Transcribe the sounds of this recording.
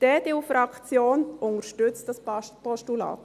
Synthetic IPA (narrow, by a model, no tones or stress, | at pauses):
d̥ɛːd̥ɪufɾɑkt͡sjoːnʊŋəɾʃtʏt͡std̥ɑspɔʃtulɑ̰ːt